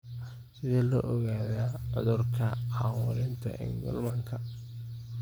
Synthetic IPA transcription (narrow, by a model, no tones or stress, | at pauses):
sɪðɛlɔːʔɔɣaːðaːʕʊðʊrkʰɐɑwɔɾɪnt̪ʰɐ̰ʔɪ̰ŋɡɔ̰lmɐŋkʰɐ